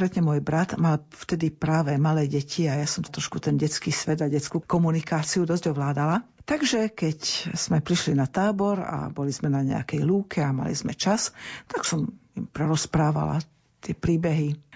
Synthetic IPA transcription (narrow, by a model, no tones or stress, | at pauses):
ɾɛt̪ɲɛmɔjbɾat̪mal | ft̪ɛd̪ipɾaːʋɛmalɛːɟɛcʰiajasɔmt̪t̪ɾɔʃkut̪ɛnɟɛt͡skiːsʋɛd̪aɟɛt͡skuːkɔmunikaːt͡siud̪ɔzɟɔʋlaːd̪ala | t̪aɡʒɛkɛcz̥mɛpɾiʃlinat̪aːbɔɾa̰bɔlizmɛnaɲɛ̰a̰kɛjluːkʰɛama̰lḭzmɛt͡ʃast̪aksɔmimpɾɛɾɔspɾaːʋa̰la̰ | t̪ɪɛpɾiːbɛɦi